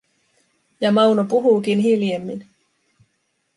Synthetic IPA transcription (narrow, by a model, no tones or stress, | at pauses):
jɑmɑwnopuɦuːkinɦiljemːin